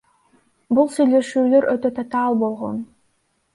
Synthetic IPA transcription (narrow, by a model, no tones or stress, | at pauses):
bulˠsyjle̞ʃyːlø̞ɾøt̪ø̞t̪ʰɑt̪ɑːlˠbo̞lˠʁo̰n